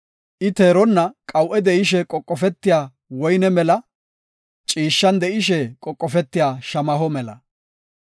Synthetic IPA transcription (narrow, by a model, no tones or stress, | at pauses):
ʔɪt̪eːɾɔnːɐkʼɐwʔɛd̪ɛʔɪʃɛkʼɔkʼːɔfɛt̪ːɪjaː | wɔjnɛmɛlɐ | t͡ʃʼiːʃːɐnd̪ɛʔɪʃ̬ɛkʼɔkʼːɔfɛt̪ːɪjaːʃɐmɐɦɔmɛlɐ̰